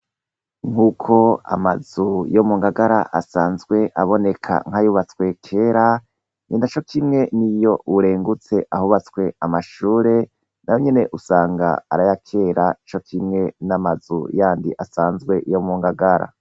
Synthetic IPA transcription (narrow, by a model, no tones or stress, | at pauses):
ŋ̥ukʰo̞a̰mazujomuːŋɡaɡaɾa̰ʔasaːnzɡwe̞ʔaβo̞ne̞kʰa̰ŋhajuβat͡skwe̞kʰe̞ːɾa | ɲinat͡ʃo̞kʰimŋe̞nijo̞ʔuɾeːŋɡut͡se̞ʔahuβat͡swe̞amaʃuːɾe̞ | najoɲe̞ne̞ʔusaːŋɡa̰ːɾajakʰe̞ːɾat͡ʃo̞kʰimŋe̞namazṵjaːndiʔasaːnzɡwe̞jo̞muːŋɡaɡaɾa̰